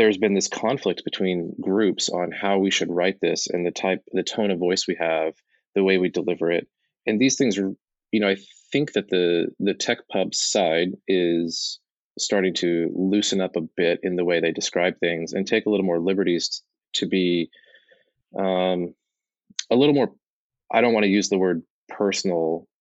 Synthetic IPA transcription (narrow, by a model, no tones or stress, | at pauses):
ðə˞zbɨ̃nðɪskʰɑ̃ɱflɨk̚t̚b̥ɨtʰw̥ĩnɡɹʉpsn̩haʊwiʃɨd̚ɹaɪt̪̚ðɪsɨ̰̃nðɨtʰaɪp̚ðɨtʰõʊ̃ɾ̃ʌvɔɪswiɨv̥ | ðɨweɪwidəlɪvə˞ɪt̚ | ɨ̃nðiz̥θɪ̃ŋzə | jɨnoʊaɪθɪ̃ŋk̚ðɨt̪̚ðɨðɨtʰɛk̚pʰʌbsaɪɾɪz̥ | stɑɹɾɪ̃ŋtʰɨlʉsɨ̃nʌpəbɪɾɨ̰̃nðəweɪðeɪdɨskɹaɪb̚θɪ̃ŋzɨ̰̃ntʰeɪkəlɪɾl̩ˠmɔɹlɪbə˞ɾiz̥ | tʰɨbi | ʔʌ̃m | əlɪɾl̩ˠmɔɹ | ʔaɪɾõʊ̃nʔwɑ̃nɨjʉzðəwɜ˞d̚ | pʰɜ˞sn̩l̩ˠ